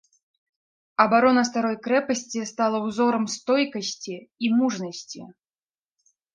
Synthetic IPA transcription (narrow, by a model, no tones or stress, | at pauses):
ɐbaɾɔnɐst̪aɾɔjkɾɛpɐsʲt͡sʲist̪alˠɐwzɔɾɐmst̪ɔjkɐsʲt͡sʲiimuʐnɐsʲt͡sʲḭ